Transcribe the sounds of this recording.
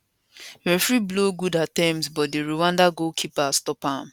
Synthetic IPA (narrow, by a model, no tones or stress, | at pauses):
ɛfɹibloɡudatãmsbɔt̚deɹuwãndaɡokʰipastɔpãm